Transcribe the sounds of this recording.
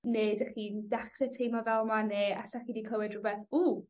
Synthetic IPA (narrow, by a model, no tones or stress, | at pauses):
neːdəχindaχrɛtʰejmɔvɛlˠmaneːaɬaχiːdikʰlˠəwɨdrʊbɛθu